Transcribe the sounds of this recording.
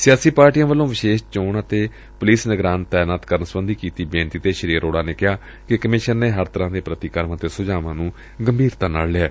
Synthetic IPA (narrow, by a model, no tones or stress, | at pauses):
sɪjaːsiːpaːɾʈijãːʋəlːõːʋɪʃeːʃt͡ʃoːɳət̪eː | pʊliːsnəɡɾaːnt̪ɛːnaːt̪kəɾənsəbənd̪ʱiːkiːt̪iːbẽːnt̪iːt̪eːʃəɾiːɾoːɽaːneːkɪɦaː | kɪkəmɪʃənːeːɦəɾt̪əɾãːd̪eːpɾət̪iːkəɾmãːt̪eːsʊd͡ʒaːʋãːnũː | ɡəmbʱiːɾt̪aːna̰ːllɪaː